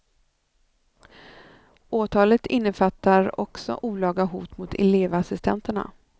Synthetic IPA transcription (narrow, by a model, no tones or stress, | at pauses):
ʔoːt̪ʰɑːlət̪ɪnːəfat̪ːaɾɔksɔ̰ʔuːlɑːɡaɦuːt̪mʊt̪ʰɛ̰leːvasɪst̪ʰɛnt̪əɳa̰